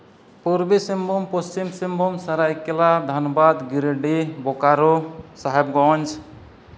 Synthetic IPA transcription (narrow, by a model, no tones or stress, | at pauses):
puɾbisimbompɔst͡ʃimsimbomsəɾajkelad̪ʱənəbad̪ɡiɾeɖibokaɾosaɦebɡɔnd͡ʒ